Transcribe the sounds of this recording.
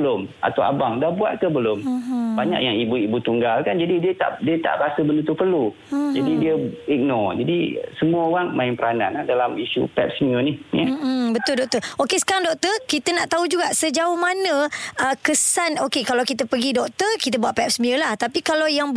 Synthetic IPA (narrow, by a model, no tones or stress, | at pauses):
əlʊma̰t̪awa̰baŋdahbua̰t̪̚kəbəlʊmbaɲa̰ʔjaŋibuibut̪uŋɡalkand͡ʒadidiət̪a̰ʔdiət̪a̰ʔɾasəbəndut̪upərlu | d͡ʒadidiəik̚nɔd͡ʒadisəmuəoɣaŋmaɪnpəɾananahdalamiʃṵpɛ̰p̚səmiənihjəbət̪ʊldɔk̚t̪əʔokesə̥kaɾaŋdɔk̚t̪ərkit̪ənaʔt̪aud͡ʒuɡaʔsəd͡ʒaʊhmanə̃əkəsanokekalawkit̪əpəɡidɔk̚t̪ərkit̪əbuaʔ̪̚pɛp̚səmiəlaht̪apikalawjaŋ